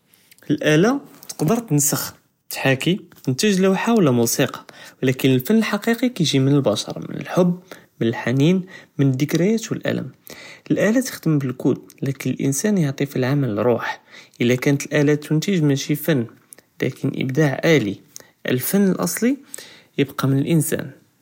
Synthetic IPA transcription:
əlʔælæt̪ə̥qd̪əɾˤt̪ənsəx | t̪ħakit̪ənt̪əʒlæwħawlæmusiqɑ̥wlækənəlfənːəlħɑqiqikæjʒimənəlbɑʃɑ̰ɾˤɑ̰mə̰nə̰lħʊbːmənəlħaninmənəd̪ːəkɾəjæt̪wəlʔæ̰lə̰məlʔælæt̪ə̥xd̪əmbəlkullækənəlʔə̰nsænjəʕt̪ˤifilʕamælɾˤuħʔəlːækænət̪əlʔælæt̪ːənt̪əʒmæʃifænː | læ̰kʰənʔə̰bd̪aʕʔæli | ʔə̰lfənːəlʔɑ̰sˤli | jəbqɑmənəlʔənsæ̰n

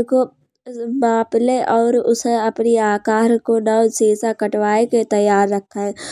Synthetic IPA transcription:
ko | maːpleʔɔːɾʊsɦẽɐpniaːkaːɾkonɐʋseːsakɐʈwaːeket̪ɐjːaːɾːɐkʰːaɦɛ

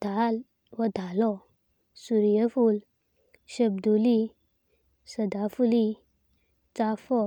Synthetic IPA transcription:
d̪̥ʱal | wəd̪ʱalɔ | suɾjəful | ɕəb̚d̪uli | səd̪afuli | t͡safɔ

